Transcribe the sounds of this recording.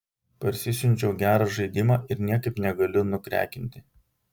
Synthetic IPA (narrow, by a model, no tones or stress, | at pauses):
pɐɾʲsʲɪsʲʊnʲt͡ʃʲɛʊɡʲæːɾɑːʒɐɪd̪ʲɪmɑːʔɪɾnʲiɛkɐɪpnʲɛɡɐlʲʊnʊkɾʲæ̰ːkʲɪnʲt̪ʲɪ